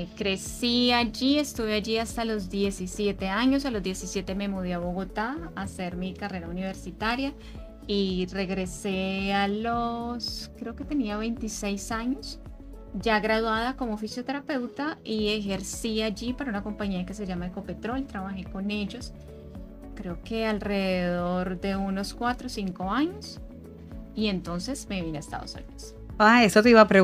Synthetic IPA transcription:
kɾe̞siad͡ʒie̞st̪uβead͡ʒiast̪alo̞zd̪je̞sisje̞t̪e̞aɲo̞s̬alo̞zd̪je̞sisje̞t̪eme̞muðiaβo̞ɣo̞t̪aːse̞ɾmikare̞ɾauniβ̞e̞ɾsit̪aɾja | ire̞ɣɾe̞se̞aloskɾe̞oke̞t̪e̞niaβe̞jnt̪isejsaɲo̞s | d͡ʒaɣɾaðwaðako̞mofisjo̞t̪e̞ɾape̞wt̪aie̞xe̞ɾsiad͡ʒipaɾaunako̞mpaɲiake̞se̞ʝamaeko̞pe̞t̪ɾo̞lt̪ɾaβaxe̞ko̞ne̞ʝo̞s | kɾe̞oke̞alre̞ðeðo̞ɾd̪e̞uno̞skwat̪ɾosiŋko̞aɲo̞s | ie̞nt̪o̞nse̞smeβinaest̪a̰ðo̰sṵniðos | aesot̪eiβapɾe

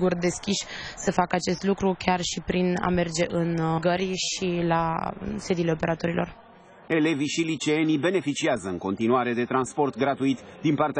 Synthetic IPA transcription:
ɡurd̪e̞skʲiʃʲsəfakəat͡ʃe̞st̪lukɾukʲarʃipɾina̰me̞rd͡ʒe̞ʔɨnɡəɾʲʃila̰se̞d̪ile̞ope̞ɾʔat̪o̞ɾilo̞̰r | e̞le̞viʃilit͡ʃeenibe̞ne̞fit͡ʃiazəɨŋko̞nt̪inuaɾe̞d̪e̞t̪ɾanspo̞rt̪ɡɾat̪uit̪d̪inpart̪e

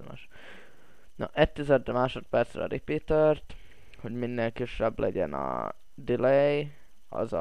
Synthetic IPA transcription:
ma̰ːʃ | no̰ʔɛt̪ːizɛd̪ːɛmaːʃo̞t̪̚pɛrt̪srɛ̰ɒ̰ɾipeːt̪ørt̪ | ho̞ɟminːeːlkiʃːɛblɛɟɛnɒ̰ | d̪ilɛj | ɒ̰zɒ

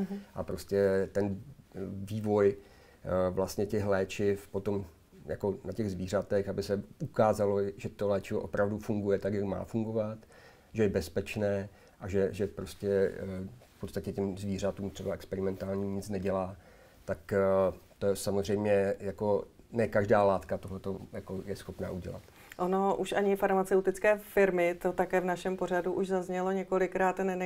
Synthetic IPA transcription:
ʔapɾo̞scɛt̪ɛn | viːvo̞j | vlast̪ɲɛcɛxlɛːt͡ʃɪfpo̞t̪o̞m | ja̰ko̞nacɛɣzviːr̝at̪ɛxabɪsɛʔukaːzalo̞ʒɛt̪olɛːt͡ʃɪvoʔopɾavdufuŋɡujɛt̪akjakma̰ːfuŋɡo̞vat̪ | ʒɛjɛbɛspɛt͡ʃnɛː | ʔaʒɛʒɛfpɾo̞scɛ | fpot̪st̪acɛcɛmzviːr̝at̪uːmt̪r̥ɛbaɛkspɛɾɪmɛnt̪aːlɲimɲɪt͡snɛɟɛlaː | t̪akt̪osamozr̝ɛjmɲɛjako̞nɛkaʒdaːlaːt̪kat̪oɦlɛt̪o̞jako̞jɛsxo̞pna̰ːʔuɟɛ̰la̰t̪ | ʔono̞ʔuʃʔaɲɪfaɾmat͡sɛwt̪ɪt͡skɛːfɪɾmɪt̪o̞t̪akɛːvnaʃɛmpo̞ɾ̝aduʔuʒzazɲɛlo̞ɲɛkolɪkɾaːt̪nɛnɛ

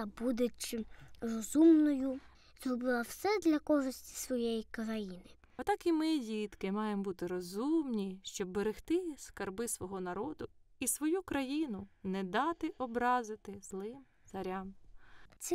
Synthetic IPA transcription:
bud̪ɪt͡ʃɪrɔzumnɔjʊ | zrɔbɪlˠɐwsɛd̪lʲɐkɔʒɪsʲtʲi̥sʋɔjejikɾɐjinɪ | ɔt̪ɑkimɪdʲit̪kɪmɑjembut̪ɪɾɔzumnʲiʃt͡ʃɔbːeɾɪxt̪ɪskɐrbɪsʋɔɦɔnɐɾɔd̪ʊisʋɔjukɾɐjinʊnɛd̪ɑt̪ɪʔɔbɾɑzɪt̪ɪzlˠɪmt̪sɐɾʲɑmt̪sʲɛ

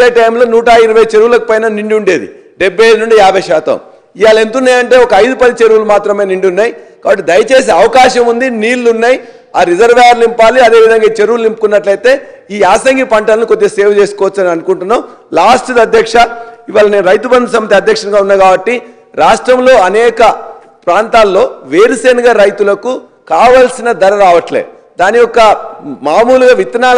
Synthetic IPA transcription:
eʈɐjmlo̞ːnuːʈaːjiɾuʋɐjt͡ʃe̞ɾuʋulɐkupɐjnaːniɳɖiuɳɖeːd̪ḭ | ɖebʱːɐjɐjd̪unuɳɖiaːbʱɐjʃɛːt̪ɐ̰m | ijaːlɐent̪unːaːjɐɳʈe̞ːɔkɐɐjd̪upɐd̪it͡ʃe̞ɾuʋulumaːt̪ɾɐme̞ːniɳɖiunːaːjikaːbɐʈːid̪ɐjɐt͡ʃe̞ːseɐʋɐkaːʃɐmund̪iniːlːunːaːji | aːɾizɐɾʋeːɾlimpaːliɐd̪eːʋid̪ʱɐŋɡaiːt͡ʃe̞ɾuʋulimpukunːɐʈlɐjt̪e̞ːiːaːsɐŋɡipɐɳʈɐlɐnikod̪ːeseːʋɐt͡ʃe̞ːskɔːʋɐt͡ʃːɐniɐnukuɳʈunːaːm | laːsʈd̪ɐd̪ʱjɐkʂɐiʋaːlɐne̞ːnɾɐjt̪ubɐnd̪ɐsɐmːɐt̪̬iɐd̪ʱjɐkʂɐŋɡaːunːaːɡaːbɐʈːi | ɾaːʂʈɾɐmlo̞ːɐnɛːkɐ | pɾaːnt̪aːlːo̞ːʋeːɾiseːnɐɡaːɾɐjt̪ulɐku | kaːʋɐlsinɐd̪ɐɾɐɾaːʋɐʈlḛː | d̪aːnijɔkːɐmaːmuːluɡaʋit̪ːɐnaːl

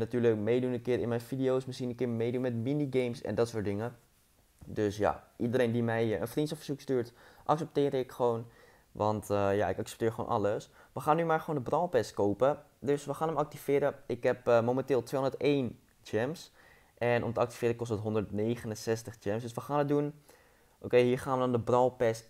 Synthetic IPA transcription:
natyːɹlək̚mejdunənkɪːɾɪ̰nmɛjnfidiowsməsχinənkɪːɹmejdunmɛtminiɡejmsɛ̰ndɑtsʊːɹtdɪŋə | døsja̰ʔidəɾejndimɛjə̰nfrintsɔfəɹz̥ukstyːɹtʔɑksɛp̚tɪːɾəɪkχəʋown | ʋɑntja̰ɪkɑksɛ̥p̚tɪːɹχəʋo̰nʔɑ̰ləs | ʋəχaːnːymaːɹχəʋoːndəbrɑlˠpɛst̚kowpə | døsʋəχaːnɦəmɑk̚tifɪːɾəɪkɦɛpmomɛntɪːlˠtʋeːɦndəɹtejn | d͡ʒɛms | ʔɛnʔɔ̰mtəɑkti̥fɪːɾəkɔstətɦɔndəɹtnejχənənsɛstəχt͡ʃɛmsdøsʋəχaːnət̚dun | ʔokejɦiːɹχaːnʋədɑndəbrɑlˠpɛst

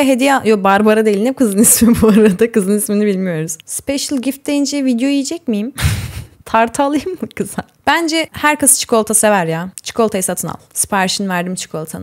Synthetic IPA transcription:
ɦe̞d̪ijajobaɾbaɾad̪ejilʲinɛkʰɯzɯnismibuaɾad̪akɯzɯnisminibilʲmijo̞ɾuz̥spɛʃɯlʲˠɟift̪̚d̪ejind͡ʒɛvid̪jo̞ijid͡ʒɛcmijim | t̪ʰaɾt̪ʰalˠɯjɯmːɯkʰɯzab̥ænd͡ʒɛhæɾkasɯ̥t͡ʃʰɯ̥ko̞lˠt̪ʰasevæɾjaːt͡ʃʰɯ̥kʰo̞lˠt̪ʰajasat̪ʰɯna̰lˠspʰaɾʃɯnvæɾd̪imt͡ʃʰɯ̥kʰo̞lˠt̪ʰa̰n

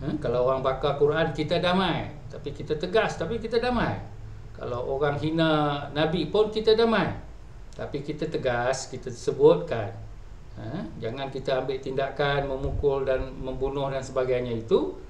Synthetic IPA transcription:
əkalawoɣaŋbakakuɾankit̪adamaj | t̪apikit̪at̪əɡast̪apikit̪adamaj | ka̰lawʔoɣaŋɦinanabipʊnkit̪adamaj | t̪apikit̪at̪əɡaskit̪asəbʊt̪̚kan | əd͡ʒaŋankit̪aːmbɪʔt̪indakanməmukʊldanməmbunʊhdansəbaɡajɲait̪u

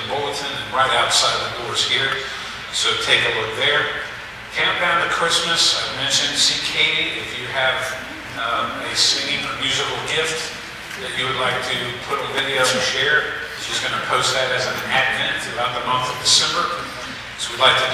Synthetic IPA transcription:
bɔlˠtɨ̃nɨ̃nɹaɪɾaʊtsaɪd̪̚ðɨdɔɹz̥hiɹ | soʊtʰeɪkɨlʊk̚ðə˞ | kʰæ̃mpãʊ̃nðɨkʰɹ̥ɪsmɨsaɪmɛ̃nʃɨ̃nsikʰeɪɾiɪfjɨːv | ɨsɪ̃ŋɪ̃ŋə˞mjʉzəbl̩ˠɡɪft̚ | ðɨt͡ʃɨwɨdˡlaɪk̚tʰɨpʰʊɾl̩vɪɾioɨʃɛɹ | ʃizɡʌnɨpʰoʊst̪̚ðɨɾɨzɨ̃nædvɛ̃ntɨbaʊt̪̚ðəmʌ̃nθʌvdɨsɛ̃mbə˞ | soʊwidˡlaɪk̚tʰɨ

